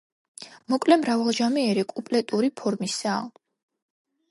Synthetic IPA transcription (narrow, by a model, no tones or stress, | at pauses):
mɔkʼlɛmɾavalˠʒamiɛɾikʼupʼlɛt̪ʼuɾipʰɔɾmisaː